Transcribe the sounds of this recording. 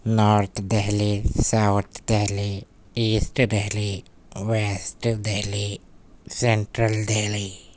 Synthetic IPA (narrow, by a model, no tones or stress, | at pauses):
naːɾt̪ʰd̪eɦlisawt̪ʰd̪eɦli | iːsʈd̪eɦli | ʋeːsʈd̪eɦli | seɳʈɾɐlɖ̪eːli